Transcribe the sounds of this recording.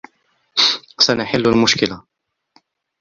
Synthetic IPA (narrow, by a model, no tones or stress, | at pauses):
sanaħɪlːalmʊʃkɪla